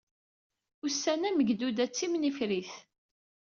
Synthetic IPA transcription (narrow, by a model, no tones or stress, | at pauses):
ʊsːænæməɡd̪ud̪æt͡sːimnifɾiθ